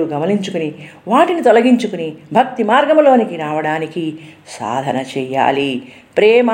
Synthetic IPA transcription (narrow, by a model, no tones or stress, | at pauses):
uɡɐmɐniɲt͡ʃukuniʋaːʈinit̪ɔlɐɡiɲt͡ʃukunibʱɐk̚t̪imaːɾɡɐmlo̞ːnikiɾaːʋɐɽaːnikisa̰ːd̪ʱɐnɐt͡ʃɛːja̰ːli | pɾɛːmɐ